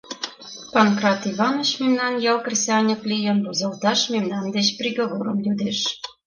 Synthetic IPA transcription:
pɑnkrɑt̪iβɑnot͡ɕmemnɑnjɑlkrʲisʲɑnʲiklʲijə̆nbozɑlt̪ɑʃmemnɑnd̪et͡ɕprʲiɣoβoɾəmjud̪eʃ

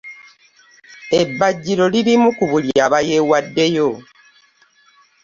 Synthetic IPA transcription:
ebːaɟːiɾo̞lilimukuβuljaβaje̞wadːe̞jo̞

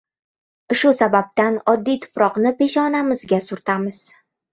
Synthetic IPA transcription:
ʃʊsabap̚t̪anɒd̪ːijt̪ʰʊ̥pɾɒqnɪpe̞ʃɒnamɪzɡʲasʊɾt̪ʰamɪz̥

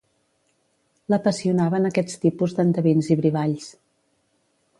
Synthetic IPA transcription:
ləpəsiunaβənəkɛt͡st̪ipuzd̪ənt̪əβinziβɾiβaʎs

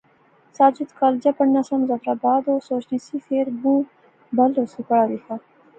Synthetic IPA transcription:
sɑːd͡ʒɪd̪kʰɑld͡ʒapəɳnasamzafɾaːbɑːd̪osoʃnisifeɾbũ | ɖalosupaɽaɾixa

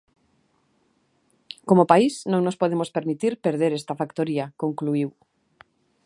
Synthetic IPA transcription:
komopaisnõŋnospoð̞emospeɾmit̪iɾpeɾð̞eɾest̪afakt̪oɾiakoŋkluiw

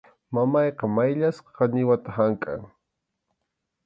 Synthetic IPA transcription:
mamɑjqɑmajʎasqɑ̥qɑnɪwat̪aɦaŋkʼa̰ŋ

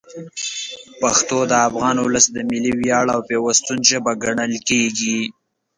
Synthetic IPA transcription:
paxt̪od̪əafɣɑnʊləsd̪əmɪliwjɑɽawpewəst̪unʒəbaɡaɳəlkeɡi

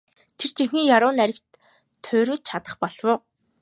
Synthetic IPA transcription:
t̪ʰer̥t͡ɕʰiŋxʲiːŋjaɾʊːnæɾʲɪ̆kt̪ʰː | ʊːɾʲɘ̆ːt͡ɕ̪̚t͡ɕʰat̪ə̥̆χpɔɮwʊː

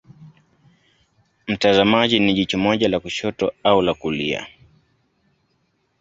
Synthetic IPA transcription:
m̩tazamaʄiniʄit͡ʃumɔʄalakuʃɔtɔaulakulia̰

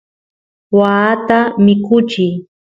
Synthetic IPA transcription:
waːt̪amɪkʊt͡ʃɪj

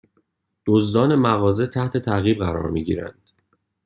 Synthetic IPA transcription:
d̪̥ozd̪ɒːne̞mæɣɒːzet̪ʰæht̪ʰe̞t̪ʰæɣiːbɣæɾɒ̰ːɾmiɟḭːɾæ̰nd̪̥

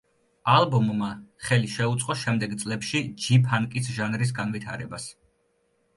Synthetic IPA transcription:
alˠbɔmːaχɛliʃɛut̪sʼqʼɔʃɛmd̪ɛɡt̪sʼlɛpʃid͡ʒipʰaŋkʼisʒanɾis̬ɡanvit̪ʰa̰ɾɛbas

